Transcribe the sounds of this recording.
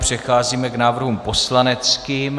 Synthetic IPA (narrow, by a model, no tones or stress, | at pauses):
pr̝̥ɛxaːziːmɛknaːvr̩ɦumpo̞slanɛt͡skiːm